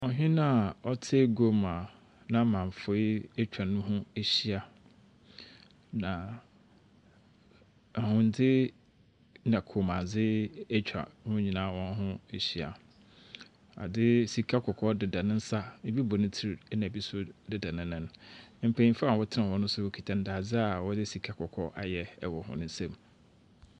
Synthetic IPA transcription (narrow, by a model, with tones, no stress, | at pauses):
ɔ˨ɦᶣĩ˦nã˦ɔ˦tʰe˦ɡo˦ma˨ | nã˦mã˨ɱ˨fʊ˨˦i˦ɛ˦t͡ɕᶣa˨nʊ̃˦ɦʊ̃˦e˦ɕi˦a˨ | nã˨ | hʊ̃˨n̩˨dɪ˦ | nã˨kʰo˨mã˨d͡zɪ˦ɛ˦t͡ɕᶣʰa̰˨˦hʊ̃˦ɲĩ˨nãː˨˦wɔ̃˦n˦ɦʊ̃˦e˨ɕi˨a̰˨ | a̰˨dɪ˦si˨kʰa˦kʰɔ˨kʰɔ˦dɪ˨da˨nɪ̃˦n̩˦sa˦bi˦bɔ˨nʊ̃˦tʰi˦ɾi˨˦nã˨bi˦sʊ˦dɪ˦da˨nɪ̃˦nɪ̃˦n˨˦m̩˨pʰẽ˨ɲĩ˦fa˦a˨wɔ˦tʰɪ˦ã˨wɔ̃˦nʊ̃˦sʊ˦wo˦kʰi˨tʰã˨n̩˦da˨d͡zɪ˦a˨wɔ˦dɪ˦si˨kʰa˦kʰɔ˨kʰɔ˦ʔa˨jɛ˨ɛ˨wɔ˨hʊ̰̃˨nʊ̃˦n˦sɛ̃˨m